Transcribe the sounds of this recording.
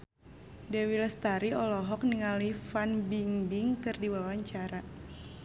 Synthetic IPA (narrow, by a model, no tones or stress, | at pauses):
dɛwiləst̪aɾiɔlɔɦɔk̚niŋalifanbiŋbiŋkɨrdiwawaɲt͡ʃaɾa